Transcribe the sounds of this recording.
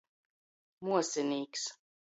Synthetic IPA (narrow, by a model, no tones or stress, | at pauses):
muɔsʲɛnʲiːks